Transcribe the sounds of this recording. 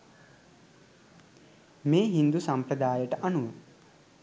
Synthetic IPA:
meːɦind̪usampɾəd̪aːjəʈəʔanuʋə

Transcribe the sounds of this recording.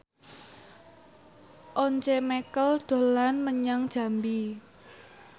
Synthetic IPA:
ʔɔɲt͡ʃemɛkəld̪̥o̤lanməɲaŋd̥ʒ̥ä̤mbi

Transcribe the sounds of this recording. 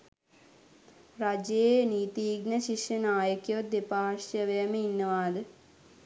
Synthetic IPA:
ɾad͡ʒeeniːt̪iːɡnəʃiʂjɐnaːjəkjɐʋd̪epaːʂjɐʋəjəməinːəʋaːd̪ə

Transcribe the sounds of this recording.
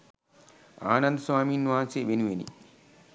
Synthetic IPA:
a̰ːnɐnd̪swaːmiːnːuʋaːnseʋenuʋenḭ

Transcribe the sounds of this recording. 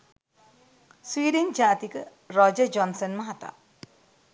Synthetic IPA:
swiːɾənd͡ʒaːt̪ikə | ɾɔd͡ʒəd͡ʒɔnsənmɐɦat̪a̰

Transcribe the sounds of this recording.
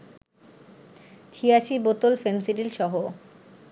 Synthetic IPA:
t̪ʰiaʃibot̪olfensiʈilʃɔɦo

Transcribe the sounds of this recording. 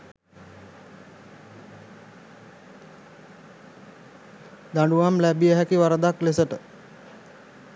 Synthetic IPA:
d̪aɳɖuʋamlæbijəɦækiʋaɾəd̪aklesəʈə

